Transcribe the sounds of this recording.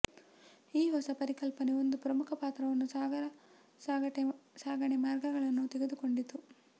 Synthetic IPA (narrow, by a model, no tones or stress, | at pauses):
iːɦɔsɐpɐɾikɐlpɐneo̞nd̪upɾɐmukʰɐpaːt̪ɾɐʋɐnːu | saːɡsaːɡɐɳemaːɾɡɐɡɐɭɐnːut̪eɡe̞d̪uko̞ɳɖit̪ːu